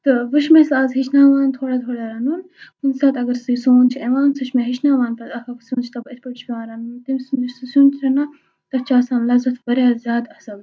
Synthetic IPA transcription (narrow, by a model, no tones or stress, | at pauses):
t̪ɨʋɨʃmesaːzɦit͡ʃʰnaːʋaːnt̪ʰoːɽɐt̪ʰoːɽaɾɐnun | hunsaːt̪ɐɡɐɾsɨsoːnt͡ʃʰieʋaːnsɨʃmeɦiʃnaːʋaːnpɐsɐkʰɐksuːnt͡ʃʰit̪ɐbet̪pɐʈt͡ʃʰpʲiʋãːnɾɐnunt̪imsunisusũːnt͡ʃʰɾɐna | t̪ɐt͡ʃaːsãːnlɐzɐt̪ʰbɐɾjaːzjaːd̪ɐsɐb